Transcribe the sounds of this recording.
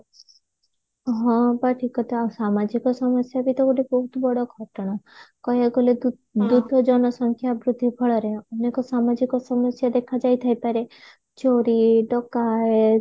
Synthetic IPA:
ɦɔ̃baʈʰikɔt̪easamad͡ʒikɔsɔmɔsjabit̪ɔɡuɖebɔɦut̪bɔɽɔɡʱɔʈɔɽ̃ɔkɔjaɡɔle | d̪ud̪ʱɔd͡ʒɔnɔsɔŋkʰjabɾud̪ʱibʱɔɭɔɾeɔnekɔsamad͡ʒikɔsɔmɔsjad̪ekʰad͡ʒajt̪ʰajpaɾe | t͡ʃoɾiɖɔkae

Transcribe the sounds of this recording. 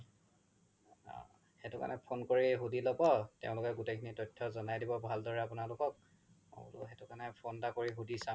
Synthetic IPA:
xetuka̰nɛpʰonkoɹiɦudilɔbɔtḛʊ̃lʊkɛɡutekʰinitɔjtʰːɔzɔnajdibɔbʱaldɔɹɛapʊnalʊkɔk̚ | o̰tʊ̰ɦetʊkanɛpʰondakoɹiɦudisã

